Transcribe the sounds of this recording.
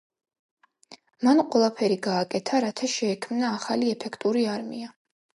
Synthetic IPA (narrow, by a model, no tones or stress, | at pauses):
manqʼwɛlˠapʰɛɾiɡaːkʼɛt̪ʰaɾat̪ʰaʃɛːkʰmnaːχaliɛpʰɛkʰt̪ʼuɾiaɾmia